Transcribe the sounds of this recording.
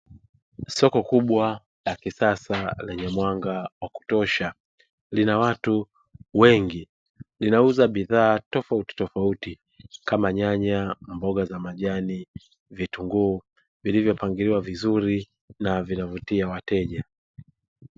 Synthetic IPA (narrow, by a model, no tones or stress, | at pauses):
sɔkɔkuɓwa | lakisasalɛɲɛmwaŋɡawaku̥tɔʃa | linawatu | wɛŋɡi | linauzaɓiðaːtɔfauti̥tɔfauti | kamaɲaɲambɔɠazamaʄani | vituŋɡuː | vilivjɔpaŋɡiɾiwavizuɾi | navinavutiawatɛʄa